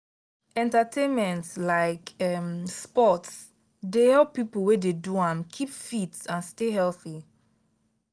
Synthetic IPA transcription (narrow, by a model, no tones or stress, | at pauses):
ɛ̃ntatʰẽnmɛ̃ntslaɪkɛmspɔts | dehɛlpːipolwededuãmkʰipfitsãnsteɦɛlθi